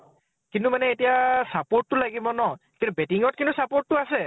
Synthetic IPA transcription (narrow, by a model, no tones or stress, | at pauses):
kintʊmanɛetijasapoɹtːʊlaɡibɔnɔ | kintubetiŋɔt̚kintusapoɹtːʊasɛ